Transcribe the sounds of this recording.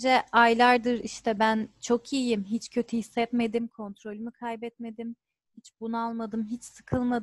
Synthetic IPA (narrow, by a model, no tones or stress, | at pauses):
d͡ʒɛajlʲˠaɾd̪ɯɾiʃt̪ʰɛbænt͡ʃʰo̞kʰiːjimɦit͡ʃcʰø̞t̪ʰyhisːɛt̪me̞d̪imkʰo̞nt̪ɾo̞lʲymikʰajbɛt̪̚me̞d̪im | hit͡ʃbunualˠmad̪ɯmɦit͡ʃsɯ̥kʰɯlˠmad̪